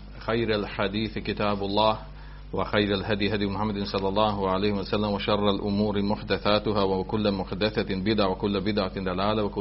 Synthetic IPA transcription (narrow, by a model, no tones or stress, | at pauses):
xajɾalħad̪iːθkɪt̪aːbɑlˤːɑːh | wɪxajɾalɦad̪jɦad̪jmʊħamːad̪ɪnsˤɑlːɑlˤːɑːhʕalajhɪmwasalːamwɪʃɑrˤːalʔʊmuːɾmʊħd̪aθaːt̪ʊɦawakʊlːmʊħd̪aθabɪd̪ʕawɪkʊlːbɪd̪ʕad̪ˤalaːlawɪk